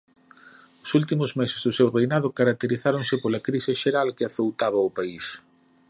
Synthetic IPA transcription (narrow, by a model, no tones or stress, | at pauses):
ʊsult̪imʊzmɛsɪzðʊsewrejnaðʊkaɾak̚t̪eɾiθaɾoŋsɪpolɐkɾisɪʃeɾalkɪaθowt̪aβɐʊpais